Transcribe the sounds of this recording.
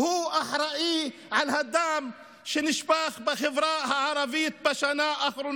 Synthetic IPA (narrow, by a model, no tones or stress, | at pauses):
huːʔaħɾˤɑʔi | ʕalhad̪ːaʕm | ʃɪnɪʃbaːxbɪxɪvɾˤɑːʔhaʕɑɾˤɑbɪːt̪̚baʃanaʔʔaxɾun